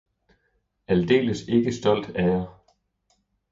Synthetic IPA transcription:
æld̥e̝̰ːləse̝ɡ̥əsd̥ɒ̽l̰d̥æjɐ

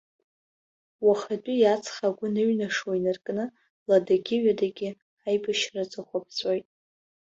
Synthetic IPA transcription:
waχat͡pʼijat͡sʰʼχaɡʷʊnɨɥnaʂwainɨrkʼnɨ | ladaɡʲɪɥadaɡʲɪ | ajbɨʃrat͡sʼaχʷabʰzʼojtʼ

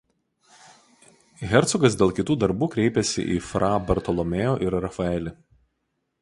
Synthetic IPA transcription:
ɣʲɛɾˑt̪sʊɡɐs̬d̪ʲeːlˠkʲɪt̪uːd̪ɐɾbuːkɾʲɛɪpʲɛsʲɪ̰ʔḭːfɾʔɑːbʲɐɾt̪ɔlˠɔmʲeːjoːʔɪɾɾɐfɐɛlʲɪ

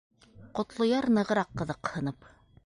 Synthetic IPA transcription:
qŏt̪lˠŏjɑɾnɤ̆ʁɤ̆ɾɑqːɤ̆ðɤqhɤ̆nɤp

